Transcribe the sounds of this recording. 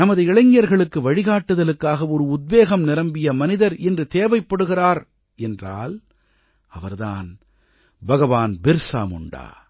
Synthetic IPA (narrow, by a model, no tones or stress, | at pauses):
nɐmɐðɯɪɭɐɪŋɪjɐɾɣɐɭɯkːɯʋɐɻɪɣaːʈːɯðɐlɯkːaːɣɐɔɾɯʊd̪̚beːɣɐmnɪɾɐmbɪjɐmɐnɪðɐɾɛndrɯt̪eːʋɐɪpːɐɽɯɣɪraːɾ | ɛndra̰ːl | ɐʋɐɾða̰ːn | bɐɣɐʋaːnbɪɾsa̰ːmʊ̰ɳɖa̰ː